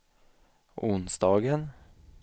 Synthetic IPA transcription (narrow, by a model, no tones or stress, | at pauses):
ʔʊnsd̪ɑːɡən